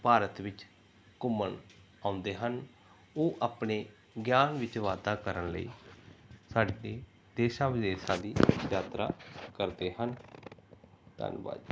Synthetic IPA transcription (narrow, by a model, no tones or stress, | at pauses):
paːɾət̪ʋɪt͡ʃ | kʊməɳ | aːʊ̃nd̪eːɦən | oːʔaːpɳeː | ɡjaːnʋɪt͡ʃʋaːd̪aːkəɾənlə̰ḭː | saːɖeː | d̪eːʃãːʋɪd̪eːʃãːd̪iːjaːt̪ɾa̰ːkəɾd̪eːhən | t̪ə̰ːnba̰ːd̪